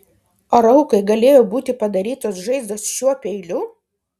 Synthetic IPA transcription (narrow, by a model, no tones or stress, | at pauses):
oɾɐʊkɐɪɡɐlʲeːjoːbuːt̪ʲɪpɐd̪ɐɾʲiːt̪oːsʒɐɪzd̪oːsʃʲuɔpʲɛɪlʲʊ